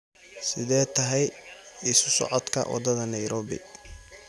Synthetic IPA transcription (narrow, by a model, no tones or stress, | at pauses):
sɪðɛːt̪ʰɐɦɛjɪsʊsɔ̰ʕɔd̪kʰɐ̰wɑ̰d̪ɐðɐnɐjɾɔːbɪ̰